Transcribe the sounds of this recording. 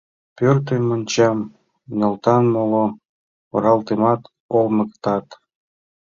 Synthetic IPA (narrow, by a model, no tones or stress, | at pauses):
pørt̪emonʲt͡ɕɑm | nʲɤ̆lt̪ɑnmolo | o̰ɾɑlt̪emɑt̪ | olməkt̪ɑt̪